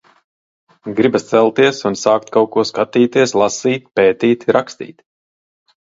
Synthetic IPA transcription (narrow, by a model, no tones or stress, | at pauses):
ɡɾibast̪sɛlˠt̪iɛsunsaːkt̪̚kawkuɔskat̪iːt̪iɛslˠasiːt̪̚ʲpeːt̪iːt̪ɾakst̪ḭːt̪ʲ